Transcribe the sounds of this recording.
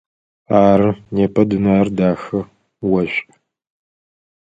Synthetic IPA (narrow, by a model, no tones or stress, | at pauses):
aːɾɨneːpʰɐdɨnaːrdaːxɨ | wɐɕʼ